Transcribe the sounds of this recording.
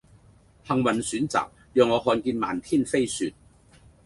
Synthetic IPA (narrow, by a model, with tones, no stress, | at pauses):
hɐ˨ŋwɐ˨˩nsyː˨˥nt͡sa̰ː˨k̚ | jœː˨˧ŋːɔː˨˧ɦɔː˧nkiː˧nma̰ː˨˩nt̪ʰiː˥˧nfe˥jsyː˧t̚